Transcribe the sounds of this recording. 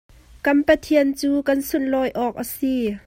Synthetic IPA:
kɐnpɐt̪ʰiənt͡suːkɐnsunlɔːjʔɔːk̚ʔəsi

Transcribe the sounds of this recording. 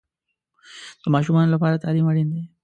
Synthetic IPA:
t̪omaʃumanlofaɾat̪aliːməɽind̪e

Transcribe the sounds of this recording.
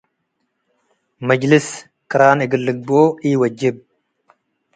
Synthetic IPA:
mɐd͡ʒlɪs | kɨɾaːnɪɡɨlːɨɡ̚boiwɐd͡ʒːɪb̚

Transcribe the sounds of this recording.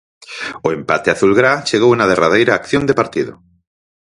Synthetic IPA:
oempat̪eaθulɣɾat͡ʃeɣ̞owenað̞eraðejɾaːkθjond̪epaɾt̪iðo̰

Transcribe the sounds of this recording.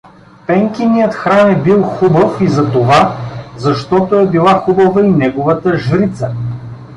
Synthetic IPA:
pɛŋkʲinijət̪xɾanɛbilˠxubəfizɐt̪ovazɐʃt̪ɔt̪oɛbilˠaxubɐvəinɛɡovɐt̪əʒɾit̪sə

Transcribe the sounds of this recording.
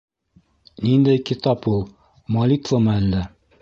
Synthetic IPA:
nind̪æjkit̪ɑpulˠ | mɐlʲit̪vəmɤælːæ

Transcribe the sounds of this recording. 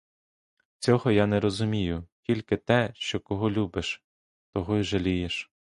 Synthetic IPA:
t͡sʲɔɦɔjanɛɾɔzʊmʲijʊtʲilʲkɪt̪ɛʃt͡ʃɔkɔɦɔlʲubɪʃ | t̪ɔɦɔjʒɐlʲijeʃ

